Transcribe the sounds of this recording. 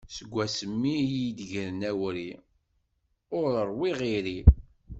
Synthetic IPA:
səɡʷːæsəmːiid̪ʝəɾnæwɾi | ʊɾəɾˤwiʁiɾi

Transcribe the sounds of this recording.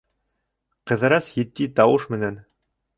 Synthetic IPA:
qɤ̆ðɤ̆ɾɑsjɘ̆t̪ːit̪ɑwɤʃmɘ̆næn

